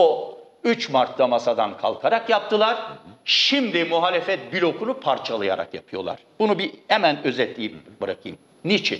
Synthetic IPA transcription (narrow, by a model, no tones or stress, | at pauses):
o | yt͡ʃmaɾt̪ːamasad̪ankʰa̰lˠkʰaɾakjap̚t̪ʰɯlˠaɾʃimd̪imuɦaːlʲɛfɛt̪̚biɾo̞kʰunupʰaɾt͡ʃʰalˠɯjaɾa̰kjapʰɯjo̞lˠa̰ɾ̥b̥unubihɛmænø̞zɛt̪lʲiːmbɯɾakʰɯjɯm | nit͡ʃʰḭn